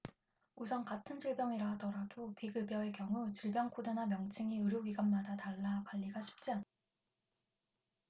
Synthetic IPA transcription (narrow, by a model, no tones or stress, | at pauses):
usʰʌnkatʰɯnd͡ʑiɭbjʌŋiɾaɦadʌɾadopiɡɯbjʌe̞kjʌŋut͡ɕiɭbjʌŋkʰodenamjʌŋt͡ɕʰiŋiɯɾjoɡiɡanmadataɭːakaʎːiɡaɕʰi̥p̚t͡ɕ͈e